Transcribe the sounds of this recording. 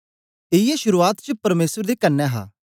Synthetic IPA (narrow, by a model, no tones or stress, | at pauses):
eiɛʃʊɾuːaːt̪t͡ʃəpɐɾmeːsəɾd̪eːkɐnːɛːɦa̰ː